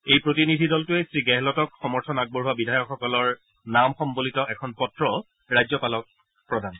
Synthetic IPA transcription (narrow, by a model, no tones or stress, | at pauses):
ejpɹotinidʱidɔltʊɛsɹiɡɛɦɛlɔtɔkxɔmɔɹtʰɔnaɡ̚bɔɹɦuwabidʱajɔkxɔkɔlɔɹ | namxɔmbolitɔʔɛkʰɔnpɔtɹɔ | ɹajzɔpalɔk̚ | pɹɔdʱan